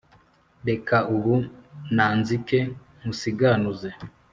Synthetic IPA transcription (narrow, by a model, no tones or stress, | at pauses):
ɾekauβunaːnzike | musiɡanuze